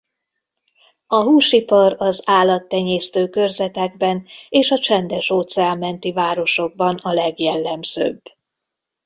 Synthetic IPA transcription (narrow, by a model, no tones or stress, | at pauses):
ɒɦuːʃipɒɾɒzaːlːɒt̪ːɛɲeːst̪øːkørzɛt̪ɛɡbɛneːʃɒt͡ʃɛnd̪ɛʃoːt̪sɛammɛnt̪ivaːɾo̞ʃo̞ɡ̚bɒnɒlɛɡjɛlːɛmz̥ø̰ːbː